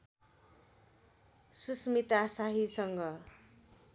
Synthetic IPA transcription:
susmit̪asaɦisʌŋɡʌ

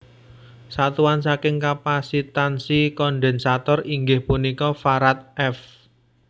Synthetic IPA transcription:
sat̪uwansakɪŋkapasit̪ansikɔɳɖɛnsat̪ɔriŋɡɪhpunikɔfaɾat̪̚ɛf

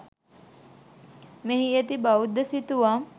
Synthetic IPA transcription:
meɦiet̪ibaud̪əsit̪uʋam

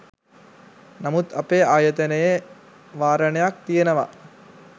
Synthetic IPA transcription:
nɐmut̪ɐpeːaːjɐt̪ɐnɐje | ʋaːɾɐɳɐjak̚t̪ijenɐʋa̰

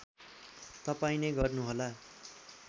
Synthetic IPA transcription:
t̪ʌpaĩneɡʌrnuɦola

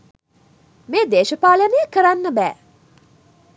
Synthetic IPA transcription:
meːd̪eːʃəpaːlanejəkəɾanːəbæː

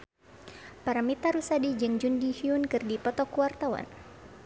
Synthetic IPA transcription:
paɾamit̪aɾusadid͡ʒɨŋd͡ʒundihiunkɨrdipɔt̪ɔkuwart̪awa̰n

